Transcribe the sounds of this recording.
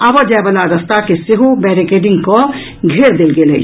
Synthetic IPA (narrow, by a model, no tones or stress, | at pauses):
abəd͡ʒaebalaɾəst̪akeseɦobɛːɾikeːɖɪ̃ŋɡko | ɡʱeːɾd̪elɡelḛ